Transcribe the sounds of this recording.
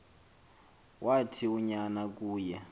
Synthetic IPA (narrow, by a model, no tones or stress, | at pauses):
wʔatʰiuɲanak̬ʼuːjɛ